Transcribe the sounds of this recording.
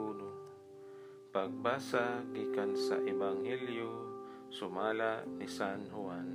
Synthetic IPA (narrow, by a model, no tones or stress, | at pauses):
uːno | paɡ̚baːsaɡiːkansa̰ʔɪbaŋhɛljo | sʊmaːlaʔnisanɦʊan